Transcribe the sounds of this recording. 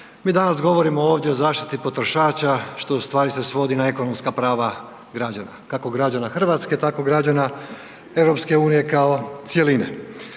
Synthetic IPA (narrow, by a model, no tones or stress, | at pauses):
miːd̪anasɡo̞ʋo̞ɾimo̞o̞ːʋd̪ʲje̞o̞zaːʃt̪i̥t̪ipo̞t̪ɾoʃaːt͡ɕaʃt̪o̞ust̪ʋaːɾise̞sʋo̞d̪inae̞ko̞no̞mskapɾaːʋa | ɡɾad͡ʑana̰kako̞ɡɾad͡ʑanaxr̩ʋat̪ske̞t̪ako̞ɡɾad͡ʑana | e̞ʋɾo̞pske̞uːnije̞kaot̪sje̞linḛ